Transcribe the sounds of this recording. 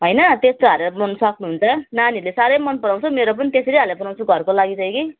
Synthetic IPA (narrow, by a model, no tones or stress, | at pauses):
ɦʌjnʌt̪est̪oɦaɾeɾʌbʌnusʌknuɦunt͡sʰʌnanilesaɾʌjmʌnpʌnaw̃t͡sʰʌmeɾop̬ʌnit̪eseɾiɦalapʌnaw̃t͡sʰuɡʱʌrkolaɡit͡sʌj̃ki